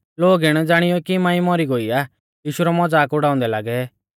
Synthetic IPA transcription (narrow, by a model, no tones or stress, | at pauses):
loːɡɪɽ̃d͡zaːɽ̃ɪjɔkimãːĩmɔɾiɡoia | jiːʃuɾɔmɔd͡zaːkʊɽaːʊ̃nd̪ɛlaːɡɛ